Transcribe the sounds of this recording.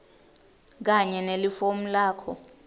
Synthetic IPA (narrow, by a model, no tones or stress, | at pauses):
k̬aɲɛnelifom̩laːkʰɔ